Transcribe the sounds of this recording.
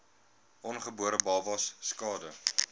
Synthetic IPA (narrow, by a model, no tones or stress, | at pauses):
ʔɔnχəbuəɾəbɑːvɐsskɑːdə